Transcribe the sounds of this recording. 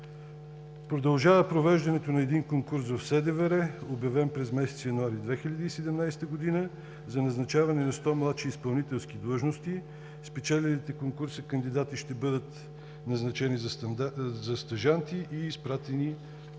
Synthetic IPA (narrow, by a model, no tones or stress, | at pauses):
pɾod̪ɐlˠʒavəpɾovɛʒd̪ɐnɛt̪onɐɛd̪iŋkoŋkuɾsvɐfsɛd̪ɛvɛɾɛobjɐvɛmpɾɛzmɛsɛ̥t̪sjɐnuaɾid̪vɛxiʎʲɐd̪iːsɛd̪ɛmnajst̪əɡod̪inə | zɐnɐznɐt͡ʃavɐnɛnɐst̪ɔmlˠat̪ʃiːspɐlˠnit̪ɛlˠskid̪lˠɤʒnost̪i | spɛt͡ʃɛlɛlit̪ɛkoŋkuɾsəkɐnd̪id̪at̪iʃt̪ɛbɤd̪ət̪ | nɐznɐt͡ʃɛniz | zɐst̪ɐʒant̪iʔiːspɾat̪ɛni